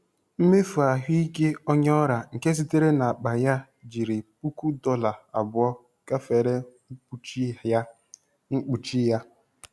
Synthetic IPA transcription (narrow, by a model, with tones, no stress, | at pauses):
m̩˦me˦fu˨a˨ɦi˦i˦ke˦ɔ˦ɲɔ˦ɾa˨ŋ̩˨ke˦s̬i˦te˦ɾe˦na˨a˨k͡pa˨ja˦ | d͡ʒi˨ɾi˨pu˦ku˦dɔ˦la˨a̰˨bʊ˦ɔ˦ | ka˦fe˨ɾe˦ŋ͡m̩˦u˦t͡ʃ | ŋ͡m̩˦k͡pu˨t͡ʃi˦ja˦